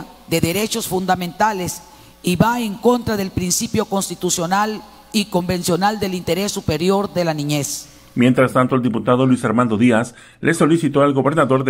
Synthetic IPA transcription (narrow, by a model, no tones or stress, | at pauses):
ðe̞ðe̞ɾe̞t͡ʃo̞sfund̪amẽnt̪ales | iβaeŋko̞nt̪ɾaðe̞lpɾinsipjo̞ko̞nst̪it̪usjo̞nal | iko̞mbe̞nsjo̞nald̪e̞lint̪e̞ɾe̞sːupe̞ɾjo̞ɾðe̞lanĩɲe̞s | mje̞nt̪ɾast̪ant̪oeld̪iput̪aðolwisaɾmãnd̪o̞ðias | lʔeso̞lisit̪oalɡo̞βe̞ɾnaðo̞ɾð